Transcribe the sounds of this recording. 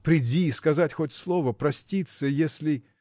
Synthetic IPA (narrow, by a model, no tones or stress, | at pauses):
pɾʲɪdʲiːskɐzatʲxotʲslˠo̞vəpɾɐsʲtʲit̪səjesʲlʲɪ